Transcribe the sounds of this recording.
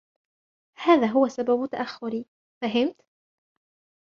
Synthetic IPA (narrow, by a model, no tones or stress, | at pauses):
haːðaːɦʊwasababʊt̪aʔaxːʊɾi | faɦɪmt̪